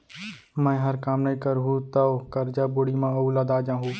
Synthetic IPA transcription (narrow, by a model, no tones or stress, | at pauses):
mə̃ɦəɾkaːmnəĩːkəɾɦuːt̪əkəɾd͡ʒaːboːɽiːmãːəuːlaːd̪aːd͡ʒãːɦuː